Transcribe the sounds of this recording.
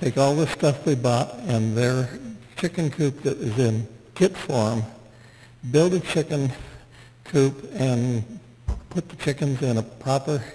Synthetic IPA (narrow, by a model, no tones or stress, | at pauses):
tʰeɪkɔlˠðɨstʌfðibɑɾɨ̃nðə˞t͡ʃʰɪkɨ̃nkʰʉp̚ðɨɾɪzɪ̃nkʰɪtfɔɹm | bɪlˠdɨt͡ʃʰɪkɨ̃n | kʰʉpɨ̃n | pʰʊt̪̚ðət͡ʃʰɪkɨ̃nzɪ̃nəpʰɹ̥ɑpə˞